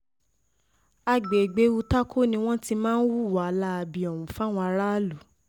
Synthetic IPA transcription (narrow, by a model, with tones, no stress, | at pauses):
a˧ɡ͡be˨ɡ͡be˨˦u˧ta˦kʰo˦nĩ˧w̃ɔ̃˦ti˧˦mãː˦n̩˦wu˦˨wa˨˦la˦˧bi˦ɔ˨wũ˨fa˦˨w̃ɔ̃˧a˧ɾa˦lu˨